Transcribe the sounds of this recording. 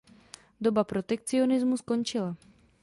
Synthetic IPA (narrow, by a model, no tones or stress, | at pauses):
do̞bapɾo̞t̪ɛk̚t͡sɪo̞nɪzmusko̞nt͡ʃɪla